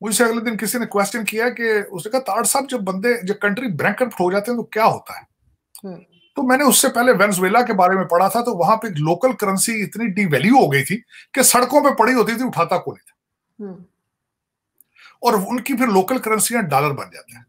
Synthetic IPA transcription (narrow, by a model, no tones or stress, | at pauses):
mʊd͡ʒʱeseɐɡled̪ɪnkɪsinekwɛːsʈənkijaɛkeʊsnekɐɦat̪aːɽsabd͡ʒɐbːə̃nd̪ed͡ʒekə̃ɳʈɾibɾɛ̃ːŋkəɾpʈʰoːd͡ʒaːt̪eɦɛ̃t̪okjaːɦo̰ːt̪aɦɛː | t̪oːmɛ̃ːnẽʊsːepɛːɦleʋɛːnəs̬ʋeːlakebaːɾemẽpɐɽ̤at̪ʰat̪oʋɐɦãpeːkloːkəlkəɾənsiɪt̪niɖiʋɛːljuɦoːɡəit̪ʰiːkesɐɽkõpepɐɽiɦoːt̪̬it̪ʰiʊʈʰaːt̪akoːnĩt̪ʰḁː | ɔːɾʊnkipʰɪɾloːkəlkəɾənsiãɖaːləɾbɐ̰nd͡ʒa̰ːt̪eɦɛ̃ː